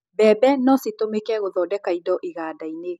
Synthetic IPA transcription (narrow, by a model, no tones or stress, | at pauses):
bɛːbɛnɔsetomekɛɣoðɔdɛkaidɔʔiɣaːdaine